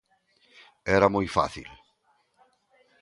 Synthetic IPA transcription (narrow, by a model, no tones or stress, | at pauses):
ɛɾamɔjfa̰θḭl